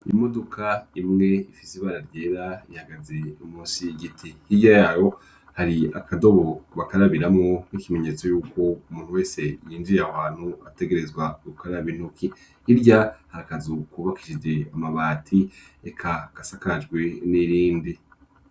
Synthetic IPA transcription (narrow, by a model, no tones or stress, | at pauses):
ḭmo̞do̞kʰaimŋe̞ifisiβaɾaɾɟe̞ːɾaihaɡazeumuːnsiɡitʰihiɟajaːjo̞ | haɾia̰kado̞βoβakaɾaβiɾamŋo̞nikime̞ɲe̞ːt͡so̞juːkʰo̞umuːn̥huwe̞ːse̞jiːnziawaːn̥huate̞ɡe̞ɾe̞zɡwaɡukʰaɾaβin̥ukʰi | iɾɟahaɾakazukuβaki̥ʃed͡ʒe̞amaβaːtʰi | ekʰaɡ̥asakaad͡ʒɡwe̞niɾiːndi